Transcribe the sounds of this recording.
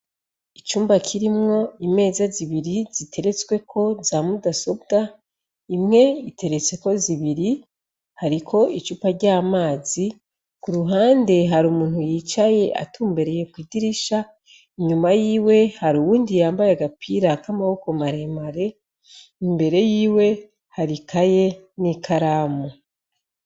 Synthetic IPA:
it͡ʃuːmbakʰiɾimŋo̞ime̞ːzaziβiɾiz̥itʰe̞ɾe̞t͡swe̞kʰo̞zaːmudaso̞bɡa | imŋe̞itʰe̞ɾe̞t͡se̞ko̞ziβiɾi | haɾikʰo̞it͡ʃuːpaɾɟaːmaːzi | kuɾuɦaːnde̞ɦaɾumuːnhujiːt͡ʃaje̞ʔa̰tuːmbe̞ɾe̞je̞kwiːdiɾiʃa | iɲumajiːwe̞haɾuwuːndijaːmbajeɡapʰiːɾakamaho̞ko̞maɾe̞maɾe̞ | imbe̞ɾe̞jiːwe̞ | haɾikʰaje̞ | nikʰaɾaːmo

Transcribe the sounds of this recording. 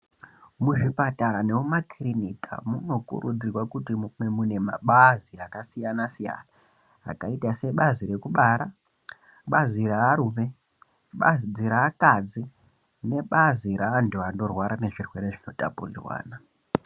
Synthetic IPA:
muʐipataɾaneumakirinika̰muno̞kṵɾṵd͡zirwakutimumemune̞maɓaziakasijanasija̰na̰ː | kaitase̞ɓaziɾe̞kuɓaɾa | ɓaziraːɾuːme̞ | ɓa̰zid͡ziɾaːkad͡zi | ne̞ɓaziɾaːnduando̞rwaɾane̞ʐirwe̞ɾe̞ʐino̞ta̰pṵrḭrwa̰ːna

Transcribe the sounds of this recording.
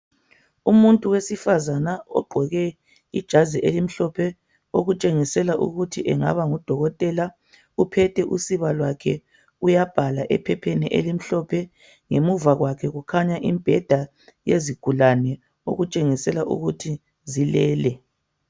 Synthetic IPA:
umuntʼuwesifazanaɔ̰ɡ͡ǃʱɔɣɛ | ḭd̥ʒ̥ʱaziʔelim̩ɬɔpʰɛ | oɣut͡ʃʼeŋisɛlaʔṵɣutʰiʔɛŋa̰βaŋud̥ʱɔɣɔtʼɛla | upʰɛtʰɛʔṵsiβalwakʰɛ | ujab̥ʱalaʔɛ̰pʰɛpʰeniʔḛlim̩ɬɔpʰɛ | ŋemuvaɣwakʰɛɣukʰaɲaʔimb̥ʱɛd̥ʱa | jeziɡ̥ʱulanɛ | o̰ɣut͡ʃʼeŋisɛlaʔṵɣutʰi | zilɛːlɛ

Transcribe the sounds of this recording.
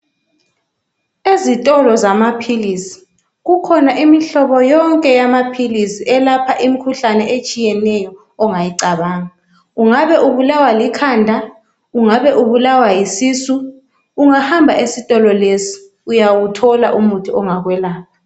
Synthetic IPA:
ezitʼɔlɔzamapʰilisi̥ | ɣukʰɔnaʔimiɬɔβɔjɔŋkʼɛjamapʰilisiʔɛlapʰaʔimikʰuɬanɛʔet͡ʃʼijɛnɛjɔː | ŋajiǀaβaːŋa | uŋaβɛʔuβulawalikʰaːndʱa | uŋaβɛʔuβulawajisiːsuː | ŋahambʱaʔesitʼɔlɔlesi̥ | ujawutʰɔla̰ʔumutʰuɔŋaɣwɛlaːpʰa

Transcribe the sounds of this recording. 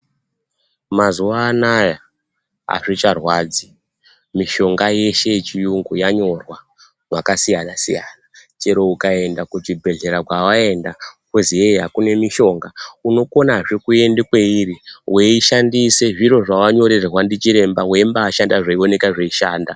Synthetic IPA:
mazuʋaːnaja | a̰ʐit͡ʃarwaːd͡zi | miʃo̞ŋɡaje̞ʃe̞t͡ʃijuŋɡujaɲo̞rwa | wakasijanasijanat͡ʃe̞ɾo̞ukae̞ndakutibʱe̞ɮe̞ɾakwawae̞ndakuzieɦakune̞miʃo̞ŋɡauno̞ko̞naʐekue̞ndekwe̞iriweiʃandise̞ʐiɾo̞ʐawaɲo̞ɾerrwandit͡ʃiɾe̞mbawembaːʃandaʐaio̞ne̞kaʐeiʃaːnda

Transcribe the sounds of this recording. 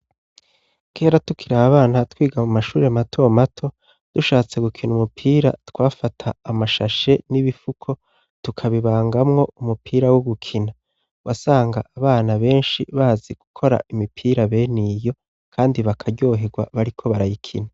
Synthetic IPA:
kʰe̞ːɾatukʰiɾaβaβaːnatwiːɡamumaʃuːɾeamatʰomatʰo̞ | d̥uʃaːt͡se̞ɡukʰinumupʰiːɾa̰tkwaːfatʰaːmaʃaʃe̞niβifukʰo̞ | tukʰaβiβaːŋɡamŋo̞umupʰiːɾawoɡukʰina | wasaːŋɡaʔːβaːnaβe̞ːnʃḭβaːziɡ̥ukʰo̞ɾa̰ʔimipʰiːɾaβe̞nijo̞ | kʰaːndiβakʰaɟo̞ːɦe̞ɡwa̰βaɾikʰo̞βaɾajikʰḭna

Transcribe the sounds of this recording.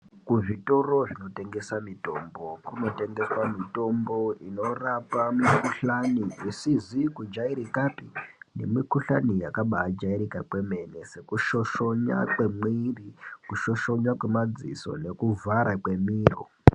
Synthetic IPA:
kuʐito̞ro̞ʐino̞te̞ŋɡe̞samito̞mbo̞kuno̞te̞ŋɡe̞swamito̞mbo̞ino̞rapamikuɬaniisizikud͡ʒaiɾikapinḛmikuɬanijakaɓaad͡ʒaiɾikakwe̞me̞ne̞se̞kuʃo̞ʃoɲa̰kwe̞mwiːrikuʃo̞ʃo̞ɲakwemad͡zḭso̞̰ne̞kuvaɾakwe̞miːro̰

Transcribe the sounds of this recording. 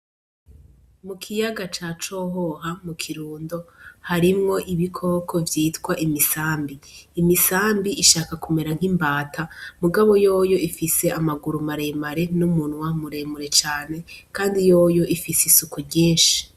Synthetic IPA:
mukʰijaɡat͡ʃat͡ʃo̞ɦo̞ɦamukʰiɾuːndo̞haɾimŋo̞ʔiβikʰo̞kʰo̞vjiːtkwaʔimisaːmbiːmisaːmbiʔiʃaːkakume̞ɾaŋ̥imbaːtʰamuɡaβo̞jo̞joifise̞ʔamaɡuɾumaɾemaɾe̞numuːnwamuɾe̞muɾe̞t͡ʃaːne̞kaːndijo̞ːjo̞ifisisukuɾɟeːnʃi̥

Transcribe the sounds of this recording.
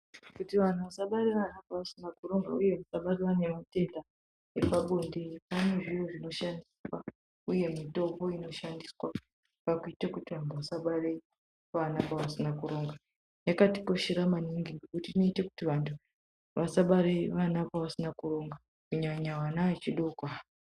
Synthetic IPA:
kutiʋan̤uʋasaɓaɾeʋanapaʋasinakuro̞ŋɡa̰uje̞ʋasaɓareʋane̞mate̞nda | epaɓondeipaneʐijoʐino̞ʃandiswa | uje̞mito̞po̞ino̞ʃandiswa | pakuitekutiʋantʰuʋasaɓaɾe̞ | ʋanapaʋasinakuɾo̞ŋɡa | jakatiko̞ʃiɾamaniŋɡiŋɡekutino̞ite̞ku̥tiʋantʰu | ʋasaɓaɾeʋanapaʋasinakuro̞ŋɡa | kuɲaɲawanaet͡ʃiɗokwa

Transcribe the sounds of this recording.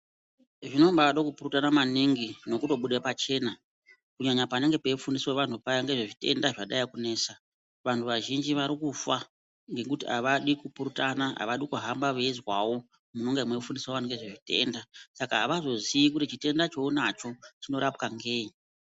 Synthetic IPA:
ʐino̞mbaʋaɗokupuɾutanamaniŋɡino̞kuto̞ɓuɗepat͡ʃe̞ːna | kuɲaɲapaneŋɡe̞pe̞ifundisweʋantʰupajaŋɡe̞ʐeʐite̞̰ndaʐaɗajikune̞ːsa | ʋantʰuʋaʒind͡ʒiʋaɾikufa | ŋɡe̞kutia̰ʋaɗikupuɾutanaɦa̰ʋaɗikuɦambaʋeizwawo̞ | muno̞ŋɡemwekfundiswoʋaneŋɡeʐe̞ʐite̞̰ndasakaɦaʋazo̞ziikutit͡ʃite̞ndat͡ʃo̞unat͡ʃo̞t͡ʃino̞ɾapkaŋɡe̞ːi

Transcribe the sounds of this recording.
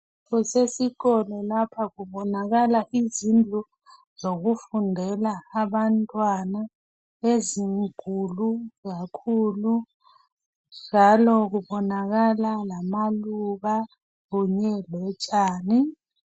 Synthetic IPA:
ɣusesikɔlɔlapʰakuɓɔnakalaʔizind͡ɮʱu | zok̬ufundʱɛlaːɓantʼwana | eziŋuluk̬akʰuːlu | d͡ʒʱalɔk̬uɓɔnaɣ̬alalamaluɓa | ɣuɲɛlɛt͡ʃʼaːni

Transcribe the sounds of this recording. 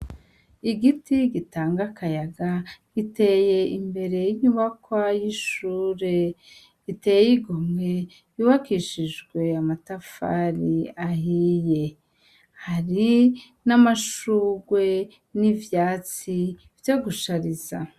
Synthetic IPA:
iɡitiɡitaːŋɡakajaɡaɡ̥ite̞ːje̞imbe̞ɾe̞jiɲuβakwajiʃuːɾe̞ | itejjiɡomŋe | uβakiʃiʒɡwe̞amatafa̰ɾiaɦije̞ | haɾi | namaʃuːɡwe̞ | nivjaːt͡si | vjoɡuʃaɾiz̥a̰

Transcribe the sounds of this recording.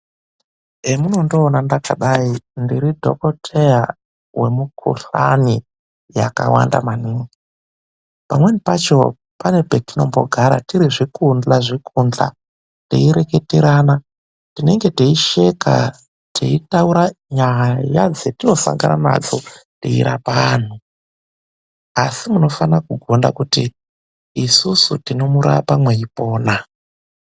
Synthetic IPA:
emuno̞ndo̞ːnandakaɗaindiɾidʱo̞ko̞tʰeja | we̞mukʰṵɬani | ja̰ka̰wa̰nda̰maniːŋɡi | pamwe̞nipat͡ʃo̞ | pane̞petino̞mbo̞̰ɡʱaɾa̰tiɾiʐikund͡ɮaʐikʰund͡ɮa̰ | tḛiɾe̞ke̞teɾaːna | tine̞ŋɡe̞teiʃe̞ka̰ | tʰeitauɾaɲajad͡zetino̞sa̰ŋɡanana̰d͡zotḛḭɾapaːn̤u | asimuno̞fanakuɡʱo̞nda̰kutiː | susutino̞muɾa̰pamwe̞ipo̞ːna

